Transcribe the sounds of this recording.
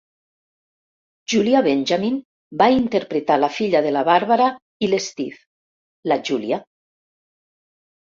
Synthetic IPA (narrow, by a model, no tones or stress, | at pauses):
ʒuliaβenʲʒamin | baint̪eɾpɾet̪alafiʎaðelaβaɾβaɾa | ilezt̪if | laʒulja